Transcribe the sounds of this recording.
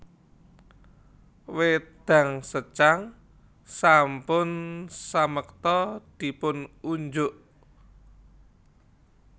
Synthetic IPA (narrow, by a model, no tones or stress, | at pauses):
wed̪̥a̤ŋsət͡ʃaŋ | sampʊnsaməkt̪ɔd̪̥i̤pʊnuɲd͡ʒʊʔ